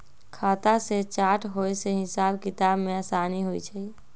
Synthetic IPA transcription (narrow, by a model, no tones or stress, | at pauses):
kʰaːt̪aset͡ʃaːʈɦojseɦɪsaːbkɪt̪aːbmẽaːsaːniɦojt͡ʃʰɛ